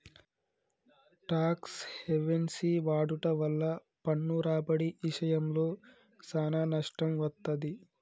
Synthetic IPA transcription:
ʈaːksheʋensiʋaːɖuʈɐʋɐlːɐ | pɐɳːuɾaːbɐɽiʔːʃɐjɐmloː | saːnaːnɐʂʈɐmʋɐt̪ːɐd̪i

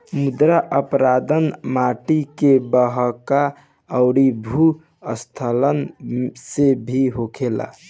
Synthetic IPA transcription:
mud̪ɾaʔəpɾad̪ənmaʈikebəɦəka | əʊɾibʱu | əst̪ʰələnsebʱiɦokʰela̰

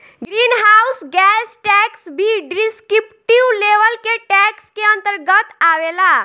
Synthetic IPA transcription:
ɡɾinɦausɡɛsʈɛksbʱiɖɾiskipʈiwleʋəlkeʈɛkskeənt̪əɾɡət̪awela

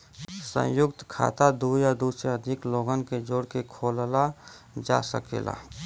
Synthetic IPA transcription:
sə̰̃jʊkt̪kʰa̰ːt̪ad̪ujad̪usɾeəd̪ʱɪkloːɡənked͡ʒoːɽkekʰoːlla | d͡ʒa̰sə̰kḛːla̰

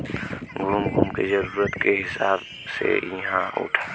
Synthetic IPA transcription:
ɡɾumɡʱumkezɐɾuːɾət̪keɦɪsaːb | sḛjɐɦãʊ̰ʈʰa

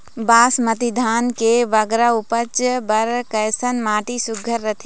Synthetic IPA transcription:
baːsmɐt̪ɪd̪ʱaːnkeʋɐɡɾaʊpət͡ʃbɐɾkɐjsənmaːʈisʊɡʱəɾːɐt̪ʰeː

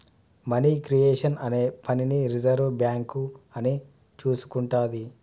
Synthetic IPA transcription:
mɐniːkɾijeːʂɐnɐne̞ːpʰɐniniɾid͡ʒɐɾʋbjaːŋkuɐni | t͡ʃuːsu̥kuɳʈaːd̪i

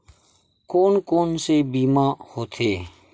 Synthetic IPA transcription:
koːnkoːnseːbiːmãːhoːt̪ʰeː

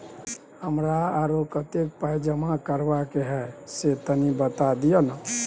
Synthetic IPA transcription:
həmɾaːɾokət̪ek̚pəjd͡ʒəmakəɾbakeɦɛset̪ənibət̪ad̪ijənə

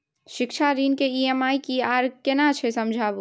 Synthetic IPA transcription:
ʃɪkt͡ʃʰaɾinkeiemaːikiaːɾkenat͡ʃʰɛsəmd͡ʒʱabu

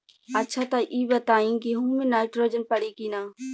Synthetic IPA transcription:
ɐtːʃʰat̪aʔiːbɐt̪aːĩkiɦuːmẽnaːɪʈɾoːd͡ʒənpɐɽikinaː

